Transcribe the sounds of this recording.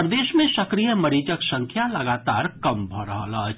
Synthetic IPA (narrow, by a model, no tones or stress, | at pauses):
ɾd̪eːʃmẽsəkɾijəməɾid͡ʒəksə̃ŋkʰjaləɡat̪a̰ːɾkəmbʱɔɾəɦə̰ləɦ